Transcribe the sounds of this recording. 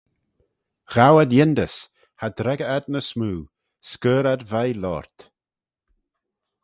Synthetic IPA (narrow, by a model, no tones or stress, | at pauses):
ɣ̥awad̪jɪnd̪əs | had̪ɾɛɡəad̪nəsmuː | skəːɾad̪vajlɔ̰ːɹt̪